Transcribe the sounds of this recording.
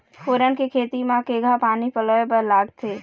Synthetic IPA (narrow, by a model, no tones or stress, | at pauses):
foːɾənkekʰeːt̪imãkeːɡʱapaːnipələepəɾlaːɡt̪ʰeː